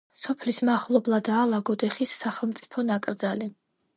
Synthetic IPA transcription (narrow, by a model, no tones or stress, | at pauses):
sɔpʰlismaχlˠɔblˠad̪aːlˠaɡɔd̪ɛχisːaχɛlˠmt̪sʼi̥pʰɔnakʼɾd̪zali